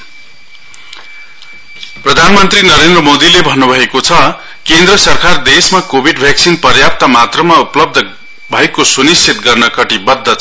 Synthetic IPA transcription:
prʌd̪ʱanmʌnt̪rinʌɾend̪rʌmod̪ilebʱʌnːubʱʌekot͡sʰʌ | kend̪rʌsʌrkard̪esmakobʱiɖbʱjaksinpʌrjap̚t̪amat̪rʌmauplʌb̚d̪ʱʌ | bʱʌekːosunisʰit̪ɡʌrnʌkʌʈibʌd̪ʱːʌt͡sʰʌ

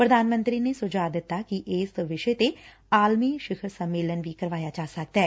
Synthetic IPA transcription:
pɾəd̪aːnmə̃nt̪ɾiːneːsʊd͡ʒaːd̪ɪt̪ːaːkiʔɪːsʋɪʃeːt̪e | aːlmiːʃɪkʰəɾsəmːeːlənʋiːkəɾʋaːjaːd͡ʒaːsək̚d̪aɛː

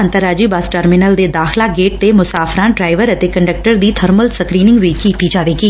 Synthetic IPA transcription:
ənt̪əɾaːd͡ʒiːbaːsʈəɾmɪnəld̪eːd̪aːxlaːɡeːʈ̚t̪emʊsaːfɾãːɖɾaːɪʋəɾət̪eːkəɳɖək̚ʈəɾd̪iːt̪ʰəɾməlsəkɾiːnɪ̃ŋɡʋiːkiːt̪iːd͡ʒaːʋeːɡiː

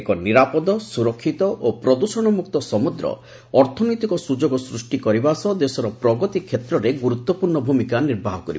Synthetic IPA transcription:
ekɔniɾapɔd̪ɔsuɾɔkʰːit̪ɔʔopɾɔd̪usɔɽ̃ɔmukt̪ɔsɔmud̪ɾɔ̰ | ɔɾt̪ʰɔnɔjt̪ikɔsud͡ʒoɡɔsɾusʈikɔɾibasɔd̪esɔɾɔpɾɔɡɔt̪ikʰjet̪ɾɔɾeɡuɾut̪ːwɔpuɾɳɔbʱumikaniɾbʱaɦɔkɔɾḭb

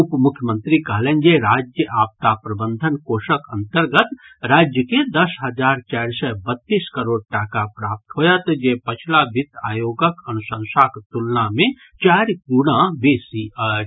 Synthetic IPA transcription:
upmʊkʰjəmə̃nt̪ɾikəɦleːnd͡ʒeɾaːd͡ʒjəʔaːp̚t̪apɾɐbənd̪ʱənkoːʃəkɐnt̪əɾɡət̪ɾaːd͡ʒjəked̪ɐsɦɐd͡ʒaːɾt͡ʃaːɾsɛbɐt̪ːiːskɐɾoːɽ̚ʈaːkapɾaːp̚t̪ɦoːjat̪d͡ʒepɐt͡ʃʰlabʱit̪a̰ːjoːɡəkɐnusə̃nsaːkt̪ulnamẽ | t͡ʃaːɾkuɽ̃ãbeːsi

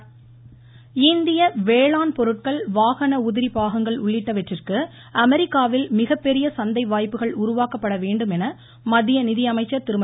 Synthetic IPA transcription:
ɪnd̪ɪjɐʋeːɭaːnpɔɾɯʈ̚kɐɭʋaːɣɐnɐʊðɪɾipaːɣɐŋɡɐɭʊɭːɪʈːɐʋɛʈrɪrkɯ | ʔɐmɛɾɪkːaːʋɪlmɪɣɐpːɛɾɪjɐsɐnd̪ɐɪʋaːjpːɯɣɐɭʊɾʊʋaːkɐpːɐɽɐʋeːɳɖɯmɛnɐ | mɐðɪjɐnɪðɪjɐmɐɪt͡ʃːɐɾt̪ɪɾɯmɐ

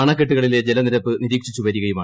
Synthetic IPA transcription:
ɐɳɐkːeʈ̬ːuɣɐɭiled͡ʑelɐniɾɐpːɨniɾiːkʂit͡ɕːuʋɐɾiɣɐjumaː

